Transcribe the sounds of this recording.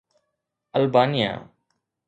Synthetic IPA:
əlbaːnɪja̰ː

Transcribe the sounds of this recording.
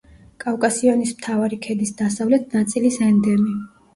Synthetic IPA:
kʼafkʼasiɔnismt̪ʰavaɾikʰɛd̪isd̪asavlɛt̪̚ʰnat̪sʼilisɛnd̪ɛmi

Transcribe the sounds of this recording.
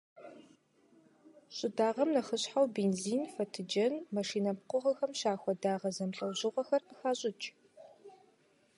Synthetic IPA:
ɕʼɪdaːʁɐmnɐχəɕħawbeːnziːnfɐtʰɨd͡ʒɐnmɐʂiːnɐp̚qʷʊʁɐxɐmɕaːxʷɔdaːʁɐzɐmɬʼɐwʑɪʁʷɔxɐrpɨxaːɕʼɪt͡ʃʼ

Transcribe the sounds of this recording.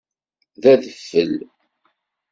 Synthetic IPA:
ðæðəfːəl

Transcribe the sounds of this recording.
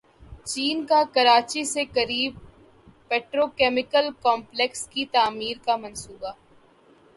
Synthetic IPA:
t͡ʃiːnkakɐɾaːt͡ʃisekɐɾiːb̚ | peːʈɾoːkɛːmɪkəlkɔːmplekskit̪aːmiːɾkamɐnsuːba

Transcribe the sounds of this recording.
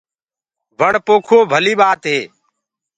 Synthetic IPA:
ʋəɳpoːkʰoːbʱəliːɓaːt̪ɦeː

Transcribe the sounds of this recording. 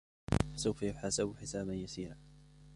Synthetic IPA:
fḁsawfajʊħaːsɪbħɪsaːbanjasiːɾaː

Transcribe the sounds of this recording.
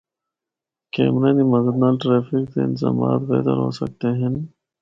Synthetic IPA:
kḛːmɾeːnimɐzəd̪naːlʈɾeːfikt̪eɪ̰nzaːma̰ːt̪bḛːt̪əɾɦo̰ːsɐ̰k̚t̪eɦẽn

